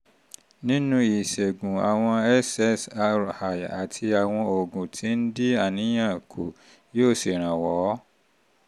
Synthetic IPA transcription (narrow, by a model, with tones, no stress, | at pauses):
nĩ˦nũ˦i˨ʃe˨ɡũ˨a˨w̃ɔ̃˧ɛ˦sɛ˦sa˧ɾha˨ja˨tʰi˧a˨w̃ɔ̃˧o˨ɡũ˨tʰi˨˦n̩˦di˦a˦˨nĩ˨˦j̃ã˦˨kʰo˨ | joː˦˨si˨ɾ̃ã˨wɔ˨˦